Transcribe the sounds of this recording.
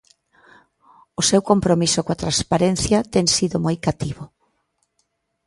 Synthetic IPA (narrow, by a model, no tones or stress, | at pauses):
ʊsewkompɾomisʊkat̪ɾanspaɾenθjɐt̪eŋsiðʊmojkat̪iβʊ